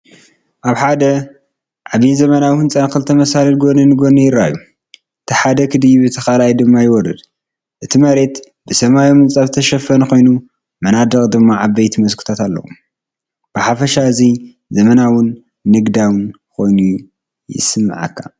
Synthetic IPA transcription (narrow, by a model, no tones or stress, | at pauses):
ʔaβħad̪ɐ | ʕaβinzɐmɐnawɨnt͡sʼɐnkɨlt̪ʰːɐmɐsalɐlɡo̞nɐnɨɡonɐjɪɾaju | ʔɨt̪ʰiħad̪ɐkʰɨd̪ɨjiβɨt̪ʰɐxalajd̪ɨmːajɪwɔrɐ̰d̪ | ʔɨt̪ʰimɐɾe̞t̪ | bɨsɐmajomɨnt͡sʼɐβt̪ʰɐʃɐfɐnko̞jnu | mɐnad̪ɐkʼd̪ɨmːaʕaβbejt̪ʰimɐskʰɨ̥t̪ʰat̪alːɐ̰wṵ | b̥ɨħafɐʃaɨzi | zɐmɐnawʊnː | ɨɡd̪awɨn | kʰo̞jnu | jɪ̰sɨmːɨ̰ʕa̰kʰːa̰